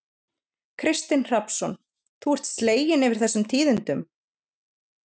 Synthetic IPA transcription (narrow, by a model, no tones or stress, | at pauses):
kʰɾɪst̪ɪnr̥apsɔn | θuɛr̥t̪sleːjɪnɛvɪɾ̥θɛsːʏmt̪ʰiːðʏnt̪ʏm